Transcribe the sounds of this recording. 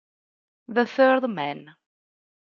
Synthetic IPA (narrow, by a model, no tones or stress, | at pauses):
ðəθœɾðmɛn